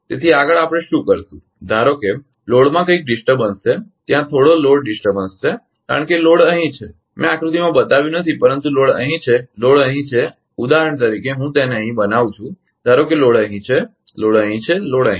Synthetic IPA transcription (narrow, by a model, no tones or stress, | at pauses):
t̪et̪ʰiaɡəɭapɽ̃eʃũkəɾt̪ũ | d̪ʱaɾoke | loɽmãkəik̚ɖɪsʈəbənsːet̪jãt̪ʰoɽoloɽɖɪsʈəɾbənst͡ʃe | ka̰ɾəɳkeloɽəɦĩt͡ʃʰe | mɛ̃akɾut̪imãbət̪aʋjũnət̪ʰipəɾənt̪uloɽə̰ɦĩt͡ʃʰeloɽəɦĩt͡ʃʰe | ud̪aɦɾəɳ̃t̪əɾikeɦũt̪eneəɦĩbənaʋ̃t͡ʃʰũ | d̪ʱaɾokeloɽəɦĩt͡ʃʰe | loɽəɦĩt͡ʃʰeloɽəɦĩ